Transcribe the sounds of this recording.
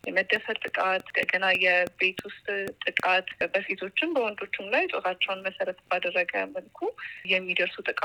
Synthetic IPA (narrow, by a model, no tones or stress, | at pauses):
jɛməd̪ːəfət̪ʼɨkʼat̪kəɡənajːɛbe̞t̪wʊst̪ʼt̪ʼːɨkʼat̪bəset̪ʰo̞t͡ʃːɪnbəwɔnd̪o̞t͡ʃːɪmlajt̪ʼoɾat͡ʃːɛwnməsəɾət̪b̥ad̪ərːəɡəməlkʰujɛmːid̪əɾsut̪ʼɨkʼa